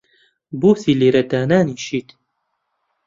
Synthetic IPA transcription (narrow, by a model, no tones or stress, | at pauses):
buːsiːleːɾɐd̪aːnaːniːʃiːt̪